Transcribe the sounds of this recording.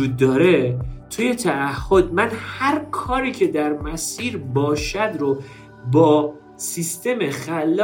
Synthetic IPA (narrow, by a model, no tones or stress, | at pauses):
uːd̪̚ːɒːɾe̞t̪ʰuje̞t̪ʰææhːo̞d̪̚mænhæɾkʰɒːɾiːcʰe̞d̪æɾmæsiːɾbɒːʃæd̪ɾo | bɒː | sist̪e̞mexælː